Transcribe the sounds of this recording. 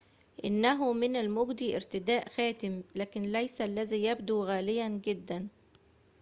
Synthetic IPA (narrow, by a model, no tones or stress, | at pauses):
ʔɪnːæɦʊmɪnalmoɡd̪iːʔɪɾt̪ɪd̪æːʔxæːt̪ɪmlæːkɪnlæjsælːæzijæb̚d̪uɣæːlɪjænɡɪd̪ːæn